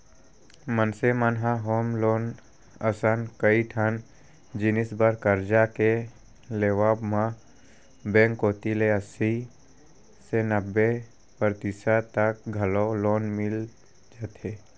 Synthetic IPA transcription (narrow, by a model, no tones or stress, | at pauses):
mənsemənɦãɦoːmloːn | əsənkəiʈʰan | d͡ʒɪnɪsbəɾkəɾd͡ʒake | leːʋaːbmã | bɛ̃ːŋkɦoːt̪ileəsi | senəbːe | pəɾt̪isat̪ək̚ɡʱəloloːnmɪl | d͡ʒaːt̪eː